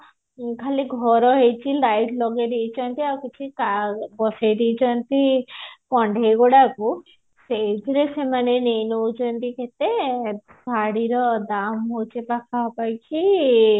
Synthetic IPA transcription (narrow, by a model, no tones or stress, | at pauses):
kʰaliɡʱɔɾɔɦejt͡ʃʰilajʈʰlɔɡeɾijt͡ʃɔnt̪iawkit͡ʃʰikabɔsejɾit͡ʃɔnt̪ikɔɳɖʱejɡɔɽaku | sejd̪ʱiɾesemanenejnowt͡ʃɔnt̪ikʰet̪e | saɽiɾɔd̪amɦowt͡ʃʰipakʰapajt͡ʃʰi